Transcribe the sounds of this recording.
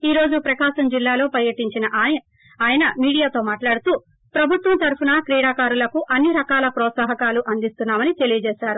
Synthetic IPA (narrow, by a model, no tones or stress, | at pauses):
iːɾo̞ːd͡ʒupɾɐkaːʃɐmd͡ʒilːaːlo̞ːpɐɾjɐʈiɲt͡ʃinɐʔːj | aːjɐnɐmiːɽijaːt̪o̞ːmaːʈlaːɽut̪uː | pɾɐbʱut̪ʋɐnt̪ɐɾpunɐkɾiːɽaːkaːɾulɐkuʔɐnːiɾɐkaːlɐpɾɔːt̪saːɦɐkaːluʔɐnd̪ist̪unːaːmɐnit̪e̞lijɐd͡ʒɛːʃaːɾu